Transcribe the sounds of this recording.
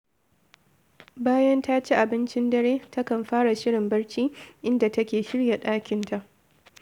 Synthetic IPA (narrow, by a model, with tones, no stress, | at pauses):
baː˦jɐ˦nta˦t͡ʃe˦ʔa˨bɪ˦nt͡ʃɪ˦ndɐ˦ɽeː˦ta˦kɐ˨mɸaː˦ɽa˨ʃɪ˦ɽɪ˨mbɐ˦ɽt͡ʃiː˦ʔɪ˦nda˨tɐ˦kʲeː˨ʃɪ˦ɽja˨ɗaː˦kʲɪ˨nta˨ʔ